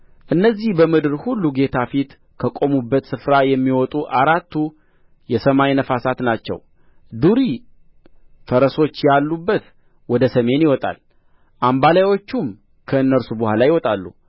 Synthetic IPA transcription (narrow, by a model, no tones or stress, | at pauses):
ʔɨnːəzːihbəmɨd̪ɨɾhulːuɡe̞t̪ʰafit̪ | kʰəkʼo̞mubːət̪sɨfɾajɛmːiwɔt̪ʼuʔaɾat̪ʰːu | jɛsəmajnəfasat̪nat͡ʃːɛ̰w | d̪uɾi | fəɾəso̞t͡ʃːjalːubːət̪ | wɔd̪əsəme̞njɪwɔt̪ʼa̰l | ʔambalawo̞t͡ʃːum | kʰəɨnːəɾsubəhʷalajɪwɔt̪ʼalːṵ